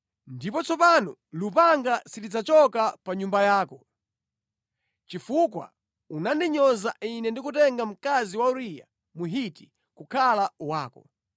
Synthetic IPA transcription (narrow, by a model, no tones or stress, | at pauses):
ndipɔt͡sɔpanɔlupaŋɡasitid͡zat͡ʃɔkapaɲumbajaːkɔ | t͡ʃifuk̬wa̰ | unandiɲɔzainɛndikutɛŋɡam̩kaziwauɾija̰ | muɦiti | kukʰalawaːkɔ̰